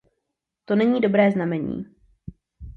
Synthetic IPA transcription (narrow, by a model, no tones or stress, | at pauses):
t̪o̞nɛɲiːdo̞bɾɛːznamɛɲḭː